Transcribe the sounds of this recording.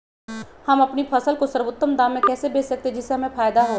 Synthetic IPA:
hɐmɐpnipʰɐsəlkosɐɾʋʊt̪ːəmd̪ãːmːẽkɛːsebeːsɐk̚t̪ed͡ʒɪseɦɐmẽfaːjd̪aɦoː

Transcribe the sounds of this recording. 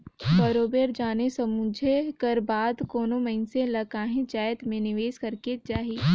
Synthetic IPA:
bɐɾoːbeːɾd͡ʒaːnesɐmʊ̃d͡ʒʱekɐɾbaːd̪koːnomɐɦɪnsẽlɐkaːɦẽd͡ʒaːjt̪mẽnɪʋeːskɐɾked͡ʒaːɦiː

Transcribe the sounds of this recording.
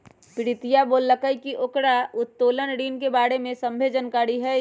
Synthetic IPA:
pɪɾɪt̪ijaboːlːəkəikiʔoːkɽaʊt̪ːoːlənɾiːnkebaːɽemẽsə̃mbʱeːd͡ʒənkaːɽiɦɛ

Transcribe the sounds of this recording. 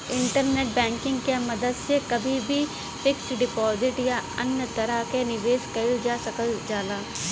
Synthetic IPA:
ɪ̃ɳʈəɾneːʈ̚bɛ̃ːŋkɪ̃ŋɡkemɐd̪əd̪sekɐbʱibʱi | fɪksɖɪpɔːzɪʈjaɐ̰njət̪ɐɾakenɪʋeːskɐld͡ʒaːsɐkəld͡ʒaːlaː

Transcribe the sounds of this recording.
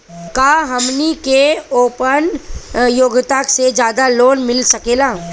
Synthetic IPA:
kaɦɐmnikeoːpənjoːɡt̪aksed͡ʒjaːd̪aloːnmɪlsɐkeːlaː

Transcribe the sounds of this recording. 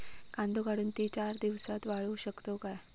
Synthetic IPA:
kãnd̪ʱoɡaɽuːnt̪it͡ɕaɾd̪iʋsat̪ʋaɭuːɕəkt̪okaj

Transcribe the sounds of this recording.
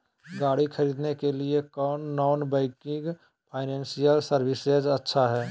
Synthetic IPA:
ɡaːɽikʰəɾiːd̪nekeliekɔːnːɔːnbɛ̃ɪkɪ̃ŋɡ | pʰaːɪnɛ̃ːnsijəlsəɾbɪsed͡ʒətːʃʰaɦɛː

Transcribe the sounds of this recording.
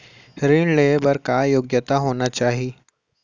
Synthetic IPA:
ɾiɳleːbəɾkajoːɡjət̪aɦoːnat͡ʃaːɦiː

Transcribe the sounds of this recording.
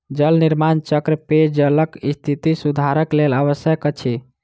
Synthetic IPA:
d͡ʒəlniɾmant͡ʃəkɾəped͡ʒələkist̪ʰit̪isud̪ʱaɾəkleləʋəsjəkət͡ʃʰi

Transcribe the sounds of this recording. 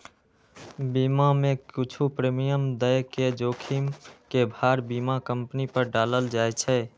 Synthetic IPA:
bimamẽkit͡ʃʰupɾemijəmd̪əjked͡ʒokʰimkebʱaɾbimakəmpnipəɾɖaləld͡ʒaɛt͡ʃʰɛ

